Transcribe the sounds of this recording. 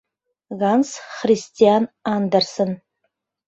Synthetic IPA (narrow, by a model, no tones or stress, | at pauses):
ɣansχristʰijanandarsɨn